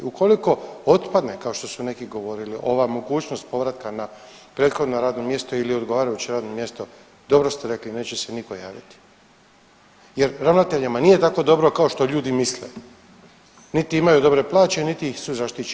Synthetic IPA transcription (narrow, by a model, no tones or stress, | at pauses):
ukʰo̞liko̞o̞t̪pad̪ne̞kao̞ʃt̪o̞sune̞kiɡo̞ʋo̞ɾiliʔo̞ʋamoɡuːt͡ʃno̞st̪̚po̞ʋɾat̪kana | pɾet̪xo̞d̪noɾaːd̪no̞mje̞st̪oilio̞d̪ɡo̞ʋaːɾajut͡ɕiɾaːd̪no̞mje̞st̪o̞ | d̪o̞bɾo̞st̪eɾe̞kline̞ːt͡ɕese̞niko̞ja̰ːʋit̪i̥ | jeɾɾaʋnat̪e̞ʎamaniːje̞t̪ako̞d̪o̞bɾo̞kao̞ʃt̪o̞ʎuːd̪imislḛ | nit̪iimajud̪o̞bɾe̞plˠaːt͡ɕenit̪iixsuzaʃt̪it͡ʃ